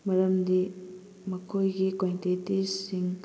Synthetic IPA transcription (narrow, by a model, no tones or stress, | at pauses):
mɐɾɐmdi | mɐkʰojɡikwantitisiŋ